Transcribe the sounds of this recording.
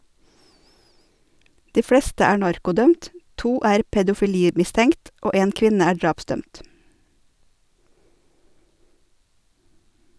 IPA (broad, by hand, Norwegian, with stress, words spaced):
ˈdiː ˈfɽɛstə ˈæː ˈɳɑɾkʊˌdœmt ˈtuː ˈæːɾ pɛdʊfɪˈliːmɪstəŋkt ˈoː ˈeːn ˈkʋɪnə ˈæː ˈɖɾɑːpˌsdœmt